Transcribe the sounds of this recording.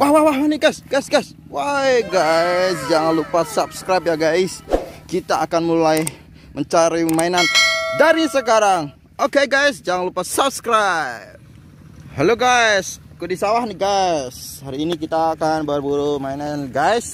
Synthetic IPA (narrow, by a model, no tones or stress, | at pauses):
wahwahwaɦwahniɡajsɡ̥ajsɡajs | wajɡasd͡ʒaŋanlupasap̚skɾajp̬̚jaɡajskit̪aːkanmulaj | məɲt͡ʃaɾimainandaɾisəkaɾaŋ | okeɡajsd͡ʒaŋanlupasap̚skɾap̚ | hɛloɡajs | kudisawahniɡashaɾiːnikit̪aːkanbawarbuɾumainanɡajs